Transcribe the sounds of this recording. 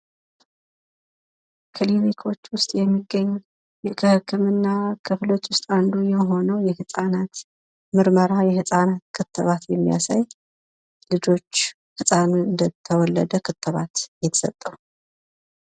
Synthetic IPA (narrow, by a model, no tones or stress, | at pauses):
kʰɨlinikʰo̞t͡ʃːwʊst̪ʼjɛmːiɡːəɲː | jɛkʰɨhɨkʰːɨmɨnːakʰɨflo̞t͡ʃːwʊst̪ʼand̪ujɛmɦo̞nəwjɛhɨsʼanat̪ | mɨɾməɾajɛhɨsʼanat̪kʰɨt̪ːɨβat̪jɛmːija̰sa̰j | lɨd͡ʒo̞t͡ʃː | hɨsʼanɨnd̪ət̪ʰːəwɔlːəd̪əkʰɨt̪ːɨβa̰t̪jɛt̪ʰə̥sət̪ʼːəw